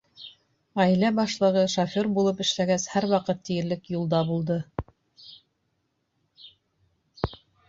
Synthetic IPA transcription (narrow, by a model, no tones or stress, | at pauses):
ʁæjlæbɑʃlˠɤ̆ʁɤʃofʲoɾbulˠɤpɘ̆ʃlæɡæshæɾwɑqɤt̪ːijɘ̆ɾlɘkjulˠd̪ɑbulˠd̪ɤ